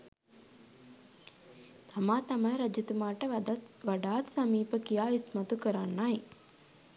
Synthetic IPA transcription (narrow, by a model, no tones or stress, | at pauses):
t̪ɐmaːt̪ɐmɐjɾɐd͡ʒit̪umaːʈɐʋɐɖaːt̪sɐmiːpɐkijaːismɐt̪ukəɾanːaj